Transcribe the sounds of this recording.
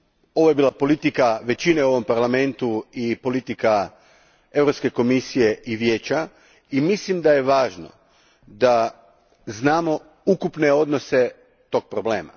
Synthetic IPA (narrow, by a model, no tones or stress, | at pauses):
o̞ʋojebiːlˠapo̞lit̪ikaʋe̞t͡ɕineuo̞ʋo̞mpaɾlame̞nt̪uipo̞lit̪ika | e̞ʋɾopske̞ko̞misije̞ʔiʋje̞ːt͡ɕa | imislimd̪aje̞ʋaːʒno̰ | d̪a | znaːmo̞ | ukupne̞o̞d̪no̞se̞ | t̪o̞k̚pɾoble̞̰ːma̰